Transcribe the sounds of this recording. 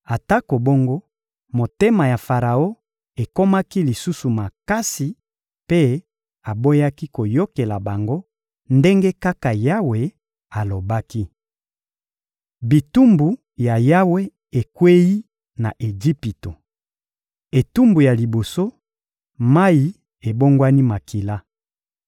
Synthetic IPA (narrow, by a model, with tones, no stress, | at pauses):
a˨ta˦ko˨bo˦ŋɡo˦ | mo˨te˦ma˨ja˨fa˨ʁa˨o˦ | e˨ko˦ma˦ki˦li˨su˦su˨ma˨ka˦si˨ | pe˦ | a˨bo˦ja˦ki˦ko˨jo˦ke˨la˨ba˨ŋɡo˦ | nde˦ŋɡe˦ka˦ka˨ja˦we˨ | a˨lo˨ba˦ki˦ | bi˨tu˦mbu˨ | ja˨ja˦we˦ | e˨kwe˦ji˦ | na˨ʔe˨d͡ʒi˦pi˨to˨ | e˨tu˦mbu˨ja˨li˨bo˨so˦ | ma˦i˨ | e˨bo˦ŋɡwa˦ni˦ma˨ki˨la˦